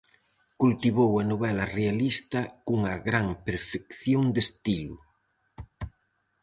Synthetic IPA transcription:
kult̪iβowɐnoβɛlɐrealist̪ɐkuŋɐɣɾaŋpeɾfekθjoŋd̪est̪ilʊ

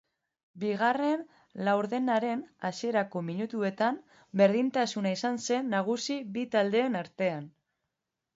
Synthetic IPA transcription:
biɣare̞n | lawɾðe̞naɾe̞nasie̞ɾako̞miɲut̪ue̞t̪am | be̞ɾðint̪asunaisanse̞nːaɣ̞usiβit̪ald̪e̞ːnaɾt̪e̞an

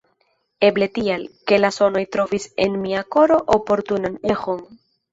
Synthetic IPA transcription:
eble̞t̪ialke̞laso̞no̞jt̪ɾo̞visḛnmiako̞ɾo̞ʔopo̞ɾt̪unanexo̞n

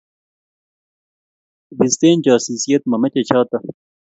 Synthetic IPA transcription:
bist̪eːnd͡ʑaːsiːsijɐt̪̚mɐmɐt͡ɕet͡ɕʰaːt̪ɐ

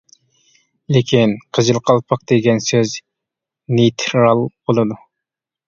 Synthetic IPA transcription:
lekʲʰinqʰəzɨlˠqʰɑlˠpʰɑq̚d̪̥eɡʲɛnsøz | nit̪ʰɾɾɑlˠb̥olˠɨd̪u

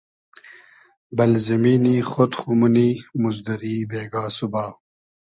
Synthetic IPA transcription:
bɐlzɐmiːniːxot̪xumuniːmuzd̪ɐɾiːbeːɡaːsubaː

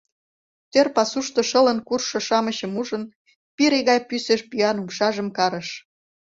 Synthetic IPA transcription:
t̪ørpɑsuʃt̪ŏʃələ̆nkurʃŏʃɑməɕə̆muʒən | piɾeɣɑjpyseʃpyɑnumʃɑʒəmkɑɾəʃ

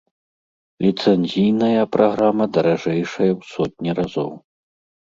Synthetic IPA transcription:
lʲit̪sɛnʲzʲijnɐjɐpɾʔaɣɾamɐd̪ɐɾaʐɛjʂɐjɐwsɔt̪̚ʲnʲiɾazɔ̰w

